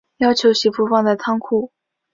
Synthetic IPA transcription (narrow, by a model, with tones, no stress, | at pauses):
jɑ˥ʊt͡ɕʰjo˧˥ʊɕi˧˥pʰu˥fɑ˥˩ŋd̪ə˨˩t͡s̪ʰɑ˥ŋkʰu˥˩